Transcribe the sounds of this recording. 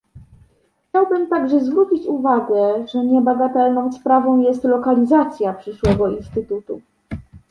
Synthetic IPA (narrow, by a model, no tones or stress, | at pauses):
xt͡ɕawbɘmt̪aɡʐɛzvɾut͡ɕit͡ɕuvaɡɛʐɛɲɛbaɡat̪ɛlnɔ̃w̃spɾavɔ̃w̃jɛst̪lɔkalʲizat̪sʲjapʂɘʂwɛɡɔinst̪ɘt̪ut̪u